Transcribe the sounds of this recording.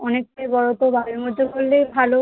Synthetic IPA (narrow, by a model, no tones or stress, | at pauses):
ɔnekːajbɔɹot̪obʱabimɔdokolːebʱalo